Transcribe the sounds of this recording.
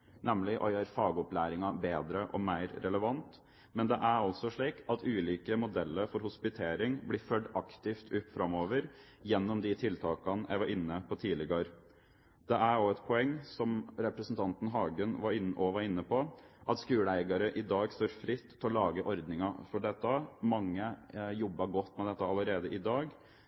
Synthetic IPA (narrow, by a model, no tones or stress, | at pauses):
nɛmlɪʔɔ̰jøːɾfɑːɡɔplæːɾɪŋɑbeːd̪ɾəʔɔ̰mæɪɾɾɛləʋɑnt̪ | mɛnd̪ɛʔæɾɔlsɔʂɭiːkɑt̪ʰʉːliːkəmʊd̪ɛlːəɾfɔɾhʊspɪt̪ʰeːɾɪŋblɪːfœɖɑkt̪ɪft̪ʰʉpfɾɑmoːʋəɾ | jɛnːɔmd̪ɪt̪ʰɪlt̪ʰɑːkɑnʔæ̰ɪʋɑɾɪnːəpʰɔt̪ʰiːlɪɡəɾ | d̪̥ɛʔæoɛt̪pʰɔɛŋːsɔmɾɛpɾəsn̩t̪ʰɑnt̪n̩ɦɑːɡənʋɑɾɪnʔɔʋɑɾɪnːəpʰɔʔɑt̪skʉːləæɪɡɑɾəʔɪd̪ɑːɡst̪oːɾfɾɪt̪ʰːɔlɑːɡəʔɔɾd̪nɪŋɑfɔɖɛt̪ːəmɑŋːəjɔbːɑɡɔt̪ːmɛd̪ɛt̪ːəɑləɾeːd̪əʔɪd̪ɑːɡ